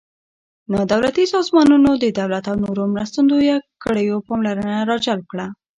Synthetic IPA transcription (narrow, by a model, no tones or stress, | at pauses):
nɑd̪awlat̪isɑzmɑnunod̪əd̪awlat̪awnoɾomɾast̪and̪ojakəɽəjopɑmlaɾənaɾɑd͡ʒal̚kɽa